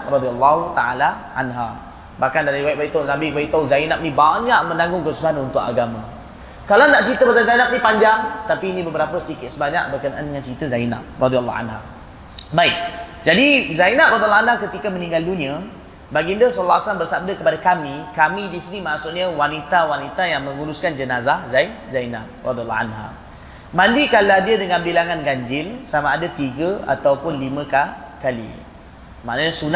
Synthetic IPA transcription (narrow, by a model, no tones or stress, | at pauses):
rɔd̪ialːahut̪aalaʔa̰nɦa̰ | bahkandaɾiwajʔ̚baiʔt̪anambiʔ̚baiʔt̪awzajnap̚nibaɲaʔmə̃naŋɡʊŋkəsu̥saɦanunt̪ʊka̰ɡamã | kalanaʔt͡ʃɾit̪əbazazajnap̚nipaɲd͡ʒaŋt̪apiːnĩbəbəɾapəsəikɪt̪̚səbaɲaʔbərkənaʔandəŋant͡ʃɾit̪əzaina̰p̚rɔd̪ial̰ːa̰nɦa̰ | baik̚ | d͡ʒadizainap̚rɔd̪ilanɦakət̪ikamənĩŋɡaluɲə | baɡindəsɔlːasalambərsab̚dakəpadakamikamidisinimaʔsuʔɲəwanit̪awanit̪ajaŋməŋuɾuskand͡ʒənazahzaizajna̰p̚rɔd̪ial̰ːa̰nɦa̰ | mandikaladiədəŋanbilaŋanɡaɲd͡ʒɪlsamaːdat̪iɡəa̰t̪awpʊnlimə̃kakalḭ | ma̰ʔnəɲəsuna